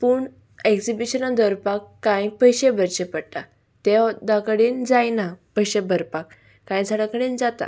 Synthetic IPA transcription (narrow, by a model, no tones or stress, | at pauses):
puːɳ | ekd͡zibiɕənãd̪əɾpakːãjpəjɕebəɾɕepəɽt̪a | t̪ed̪akəɽiːnd͡zajnapəjɕebəɾpakː | ãjd͡zʰʱaɽakəɽind͡zat̪a̰